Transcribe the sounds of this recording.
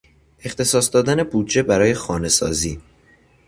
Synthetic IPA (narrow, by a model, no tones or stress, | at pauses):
ʔe̞xt̪ʰe̞sɒːsd̪ɒːd̪æne̞buːd̪d͡ʒe̞bæɾɒːje̞xɒːne̞sɒ̰ːziː